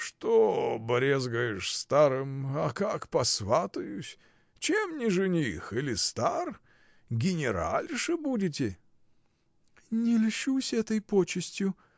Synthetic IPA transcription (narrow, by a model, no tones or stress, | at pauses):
ʂt̪obɾʲezɡəjɪʂst̪aɾɨmɐkakpɐsvat̪ɨjʊsʲ | t͡ɕemnʲɪʐɨnʲixɨlʲɪst̪ar | ɡʲɪnʲɪɾa̰lʲʐɨbudʲɪtʲɪ | nʲɪlʲʂusʲɛt̪əjpot͡ɕɪsʲtʲjʊ